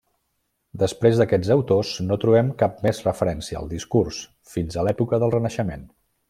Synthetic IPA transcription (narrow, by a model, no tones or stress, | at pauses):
d̪əspɾezðəkɛd͡zəwt̪osnot̪ɾuβɛmkap̚mɛzrəfəɾɛnsiəə̰lˠd̪iskurs | finzəlɛpukəðəlˠrənəʃəmen